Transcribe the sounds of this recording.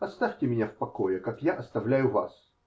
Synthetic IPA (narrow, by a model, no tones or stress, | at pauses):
ɐst̪afʲtʲɪmʲɪnʲafpɐkojɛkakjaʔɐst̪ɐvlʲæjʊva̰s